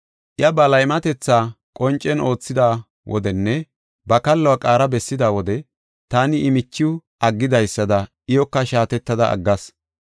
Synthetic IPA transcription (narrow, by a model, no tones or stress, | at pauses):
ʔɪjɐbɐlɐjmɐt̪ɛt͡sːaː | kʼɔnt͡ʃʼːɛno̞ːt͡sːɪd̪aː | wʔɔ̰d̪ɛnːɛ | bɐkɐlːowɐkʼaːɾɐbɛsːɪd̪aːwɔd̪ɛ | t̪aːnɪɪmɪt͡ʃːɪʊʔɐɡːɪd̪ɐjsːɐd̪ɐʔɪjɔkːɐʃaːt̪ɛt̪ːɐd̪ɐʔɐ̰ɡːɐs